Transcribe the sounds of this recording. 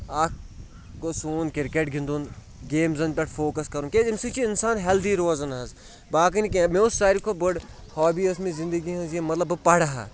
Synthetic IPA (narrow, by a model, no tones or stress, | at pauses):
aːk̚ | kosuːnkɪɾkeʈ̚ɡʱĩnd̪uːn | ɡeːmzɐnpʲɐʈʰfʰoːkɐskɐɾũnkeimsit͡ʃʰiɪnsaːnɦɛld̪iɾoːzɐnɐz | baːk̬ɐnikemẽʊssaːɾikʰobəɽ | hɔːbiːɐsmĩzɪ̃nd̪əɡiɦɐ̃nzjemɐt̪lɐbɨpɐɽɐɦa̰